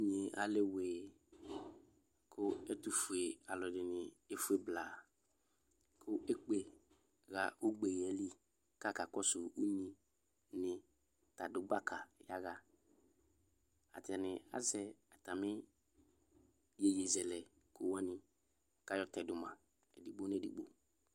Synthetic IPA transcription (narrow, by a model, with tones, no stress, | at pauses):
ɲe˨ʔa̰˨lɪ˦weː˨ | kʰʊ˦ɛ˦tʊ˨fu˨e˨a˨lɔ˨dɪ˨nɪ˨e˦fu˦e˨bla˨ | kʰʊ˦ʔɛ˦k͡pe˨ | ɣa˨ʊ˦ɡ͡be˨ɣɛ˨˦li˦ | ka˦˨ka˨kɔ˦sʊ˨u˦ɲĩ˨ | nɪ˨ | ta˨dʊ˨ɡ͡ba˦kʰa˨ja˦ɣa˦ | a̰˨tɛ˨nɪ˨a̰˦zɛ˦a˨ta˨mɪ˦ | je˨je˨zɛ˨lɛ˨ | kʰʊ˦wɛ˦nɪ˦ | ka˦jɔ˦tɛ˨dʊ˨mã˨ | ɛ̰˨di˨ɡ͡bo˦n˦ɛ˨dḭ˨ɡ͡bo̰˦